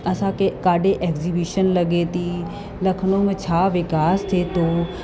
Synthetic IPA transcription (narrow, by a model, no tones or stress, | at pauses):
əsãːkekaːɖeːʔɛːkziːbiːʃənləɡeːt̪iː | ləkʰnõːmẽt͡ʃʰaːʋɪkaːst̪ʰeːt̪oː